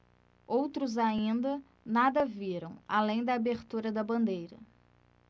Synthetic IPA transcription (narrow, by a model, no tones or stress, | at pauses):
owt̪ɾʊzaĩnd̪ɐ | nad̪ɐviɾɐ̃w̃alẽj̃d̪ɐːbeɾt̪uɾɐd̪ɐbɐ̃nd̪ejɾɐ